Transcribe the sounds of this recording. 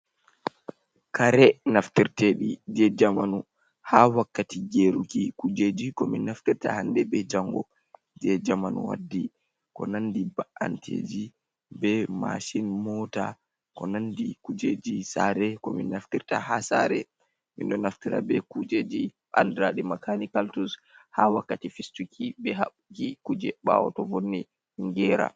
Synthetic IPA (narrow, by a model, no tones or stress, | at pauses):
kaɾɛnaftiɾtɛɗid͡ʒɛd͡ʒamanu | hawakːatiɡeɾukikud͡ʒed͡ʒikɔminːaftiɾta̰handɛbɛd͡ʒaŋɡɔ | d͡ʒɛd͡ʒamanṵwa̰dːi | kɔnandibaʔantʰḛːd͡ʒi | bɛma̰ʃinmɔta | kɔnandikud͡ʒed͡ʒisaɾɛkɔminːaftiɾtahasaɾɛ | minɗɔnaftiɾa̰bɛkud͡ʒed͡ʒiɓandɾaɗimakʰanikaltus | hawakːatifistukʰibɛhaɓkikud͡ʒɛɓa̰wɔtɔvonːi | ŋɡɛɾa̰